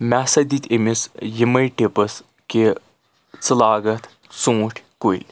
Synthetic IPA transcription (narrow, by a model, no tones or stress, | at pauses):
mʲɛsɐd̪it̪ʲemisjimɐjʈipɨs | ki | t͡sɨlaːɡɐt̪ | t͡sũːʈʲʰkuilʲ